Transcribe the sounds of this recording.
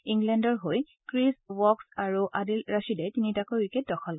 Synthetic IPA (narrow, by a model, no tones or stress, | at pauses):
iŋɡlɛndɔɹɦoj | kɹiswɔksaɹuʔadilɹasidɛtinitakojwiket̚dɔxʰɔlk